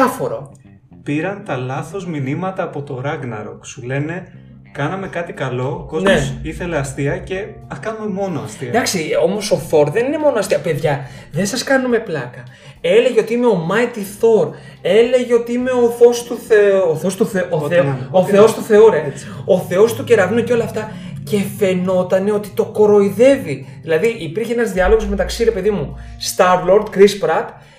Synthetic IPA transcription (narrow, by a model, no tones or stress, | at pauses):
ɐfo̞ɾo | piɾɐnt̪ɐlɐθo̞zminimɐt̪ɐːpo̞t̪o̞ɾɐɣnɐ̰ɾo̞̰ksule̞ne̞ | kɐnɐme̞kɐt̪ikɐlo̞koneosiθe̞leɐst̪iɐce̞ | ɐkɐnumemo̞noɐst̪iɐd̪ɐksio̞mo̞so̞θo̞ɾðe̞nine̞mo̞noɐst̪iɐpe̞ðʝɐ | ðe̞nsɐskɐnume̞plɐkɐ | e̞le̞ʝeo̞t̪iime̞omɐit̪iθo̞ɾ | e̞le̞ʝe̞o̞t̪iime̞o̞θo̞st̪uoθost̪uθeuoθeoθe̞o̞st̪uθe̞oɾeo̞θe̞o̞st̪uce̞ɾɐvunoceo̞lɐft̪ɐ | ce̞fe̞no̞t̪ɐne̞o̞t̪i̥t̪o̞koɾo̞iðe̞viðilɐðiʔipiɾçeenɐzðiɐlo̞ɣo̞zme̞t̪ɐksiɾe̞pe̞ðimu | st̪ɐɾvloɾd̪kɾispɾɐt̪